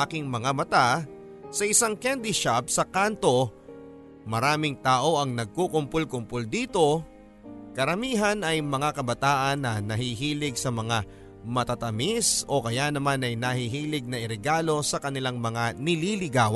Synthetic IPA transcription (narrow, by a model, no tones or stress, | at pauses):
akɪŋmɐŋamɐt̪a | sɐʔɪsaŋkɛnd̪iʃap̚sɐkant̪o̞ | mɐɾaːmɪŋt̪aːʔo̞ʔɐŋnɐɡ̚kukʊmpʊlkʊmpold̪iːt̪o̞ | kɐɾɐmiːɦɐnɐjmɐŋakɐbɐt̪aːʔɐnːɐnɐɦiɦiːlɪɡsɐmɐŋa | mɐt̪at̪ɐmiso̞kɐjanɐmanɐjnɐhiɦiːlɪɡ̚nɐɪɾɛɡaːlo̞sɐkɐnɪlaŋmɐŋanɪlilɪɡaːw